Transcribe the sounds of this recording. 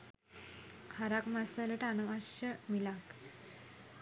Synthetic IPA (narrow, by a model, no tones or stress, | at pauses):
haɾakmast̪aləʈanəmaɕəmilak